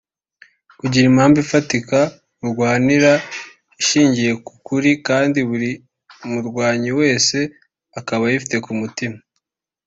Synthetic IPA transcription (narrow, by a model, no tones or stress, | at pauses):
kuɟiɾimhaːmvifatika | uɾɡwaːniɾa | iʃiːɲɟije̞ku̥kuɾikaːndiβuɾi | muɾɡwaːɲiwe̞ːse̞ | akaβajifite̞kumutima